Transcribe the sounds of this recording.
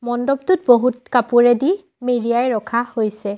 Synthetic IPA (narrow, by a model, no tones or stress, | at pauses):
mɔndɔb̚tut̚boɦutkapuɹɛdi | meɹijajɹɔkʰahojsɛ